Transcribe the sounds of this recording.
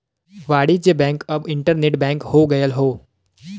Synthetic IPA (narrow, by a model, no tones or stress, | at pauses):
ʋaːɽid͡ʒebɛ̃ːŋkəbɪ̃ɳʈəɾneːʈbɛ̃ːŋkhoːɡɐjəlɦoː